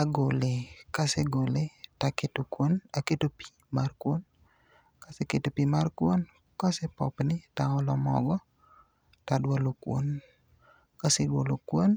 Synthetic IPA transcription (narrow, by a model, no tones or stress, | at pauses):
aɡolekaseɡoletaketokwonaketopi̥ | markwon | kaseketopimarkwon | kɔsepɔpnɪtaŋɔlɔmɔ̰ɡɔ | tadwolokwo̰n | kasedwolokwon